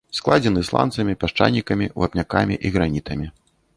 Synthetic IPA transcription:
sklˠad͡zʲɛnɨslˠa̰nt̪sɐmʲipʲaʂt͡ʂa̰nʲːikɐmʲiva̰pnʲakamʲḭʔiɣɾanʲit̪ɐmʲi

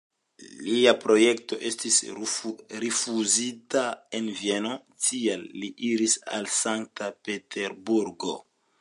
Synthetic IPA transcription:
liapɾo̞je̞kto̞ʔe̞stis | ɾifuzitae̞nvje̞no̞tʰialːiʔiɾisa̰lsaŋk̚tape̞teɾbuɾɡo̞̰

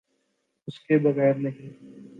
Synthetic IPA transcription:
ʊskebɐɣɛːɾnɐɦĩː

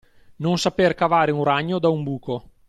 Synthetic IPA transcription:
nonsaperkavaːɾeunraɲːod̪aumbuːko

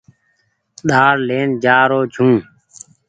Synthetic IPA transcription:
ɗ̪aːɽleːnd͡ʒaːɾoːd͡ʒʰʱũː

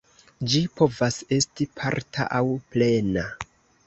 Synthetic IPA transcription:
d͡ʒipo̞vase̞stipʰaɾtʰa̰ʔawple̞na

